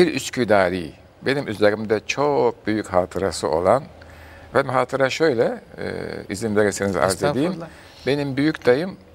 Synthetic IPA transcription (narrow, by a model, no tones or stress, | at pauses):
biɾyscʰyd̪aːɾḭː | be̞nimʔyzlaɾimd̪ɛt͡ʃʰo̞k̚byjychaːt̪ʰɯɾasɯo̞̰lˠan | væmɦaːt̪ʰɯɾaʃø̞jlʲɛ̰ | ḭzinveɾisiniza̰ɾzed̪iːm | be̞nimbyjycd̪ajɯm